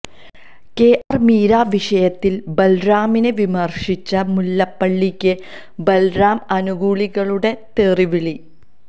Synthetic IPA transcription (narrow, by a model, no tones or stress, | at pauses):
ke̞ːʔɐrmiːɾaːʋiʂɐjɐt̪ːilbɐlɾaːmineʋimɐrʂit͡ɕːɐmulːɐpːɐɭːikʲːɨ | bɐlɾaːmɐnuɣuːɭiɣɐɭuɽe̞t̪eːriʋiɭi